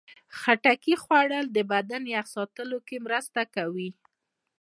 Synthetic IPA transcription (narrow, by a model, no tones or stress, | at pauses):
xaʈakixwaɽəld̪əbad̪anjaxsɑt̪əlokemɾəst̪akawi